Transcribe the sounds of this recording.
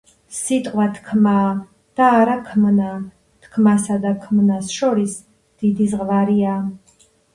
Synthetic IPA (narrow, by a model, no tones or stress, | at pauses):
sit̪ʼqʼwat̪ʰkʰmaː | d̪̥aːɾakʰmna | t̪ʰkʰmasad̪akʰmnasʃɔɾis | d̪̥id̪izʁvaɾiaː